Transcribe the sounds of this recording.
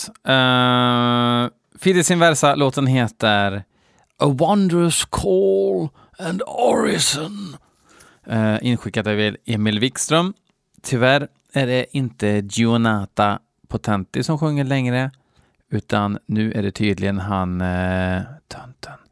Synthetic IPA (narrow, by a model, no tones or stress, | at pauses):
fiːd̪ɪsɪnvæɾsaloːt̪ənɦeːt̪əɾ | əwand̪əɾəskʰɔoːl | ænd̪ɔɹɪsɔn | ʔɪnɧɪkːad̪əvɪleːmɪlvɪkst̪ɾœm | t̪ʰʏvæɾ | æɖɛʔɪnt̪əd͡ʒ̪ɪʊnaːt̪a | pʰʊt̪ʰɛnt̪ɪsɔmɧɵŋːəɭɛŋɾə | ʉ̟ːt̪ʰanːʉ̟ːʔæ̰ɖɛt̪ʰyːd̪lɪɡənɦan | t̪ʰœnt̪ʰən